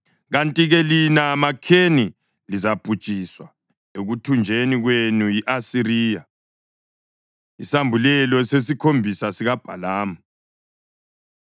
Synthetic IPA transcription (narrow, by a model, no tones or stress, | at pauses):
ɣantʼiɣɛlinamakʰeni | lizab̥ʼʱu̥t͡ʃʼiswa | eɣutʰund͡ʒʱeniɣwenujiʔasiɾiːja | isambʱulɛlɔsesikʰombʱisasiɣab̥ʱalaːma